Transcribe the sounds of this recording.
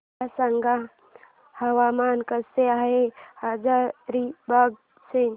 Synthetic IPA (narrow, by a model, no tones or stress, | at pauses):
asəŋɡa | həwamaːnkəseaɦehad͡ʒaɾɾibaɡ̚ | se